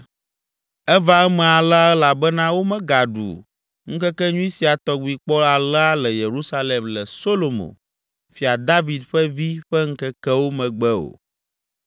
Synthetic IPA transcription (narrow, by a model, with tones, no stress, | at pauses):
ɛ˦va˦ɛ˦mɛ̃˨a˨la˦ɛ˦la˨bɛ˦nã˦wo˦mɛ̃˨ɡa˨ɖṵ˨ | ŋũ˦kɛ˦kɛ˦ɲũ˦i˦si˨a˨t̪ɔ˦ɡ͡bu˨i˨k͡pɔ˦la˨la˦lɛ˨je˨ɾu˦sa˦lɛ˨mlɛ˨so˦lo˨mõ̰˨ | fi˨a˨d̪a˦vi˨d̪ɸɛ˦vi˦ɸɛ˦ŋ̩˦kɛ˦kɛ˦wo˦mɛ̃˨ɡ͡bɛ˦o̰˨